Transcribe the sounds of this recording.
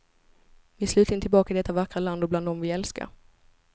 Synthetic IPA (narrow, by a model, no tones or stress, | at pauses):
vɪslʉ̟ːt̪ɪnt̪ʰɪlbɑːkaɪd̪ɛt̪ːavakɾaland̪ɔbland̪ɔmvɪɛlska̰ɾ